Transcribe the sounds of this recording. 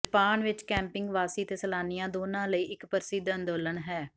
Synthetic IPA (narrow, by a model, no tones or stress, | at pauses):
paːɳʋɪt͡ʃkɛ̃ːmpɪ̃ŋɡʋaːsiːt̪eːsəlaːnɪjãːd̪oːnãːləiːʔɪkpəɾsiːd̪ə̃nd̪oːləɳɦɛː